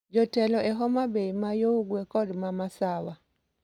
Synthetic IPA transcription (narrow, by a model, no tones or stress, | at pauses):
d͡ʒɔtɛlɔʔɛɦɔmabeimajoɡwekɔdmamasawa